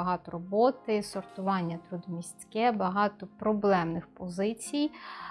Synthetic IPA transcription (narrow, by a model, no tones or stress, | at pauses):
ɐɦɑt̪ɔɾɔbɔt̪ɪsɔrt̪ʊʋɑnʲːɐt̪ɾud̪ɔmʲisʲt͡sʲkɛbɐɦɑt̪ɔpɾɔblˠɛmnɪxpɔzɪt͡sʲij